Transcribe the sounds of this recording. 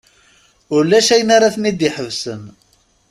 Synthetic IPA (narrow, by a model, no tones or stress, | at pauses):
ʊɾlːæʃæjənaɾaθənid̪iħəvsən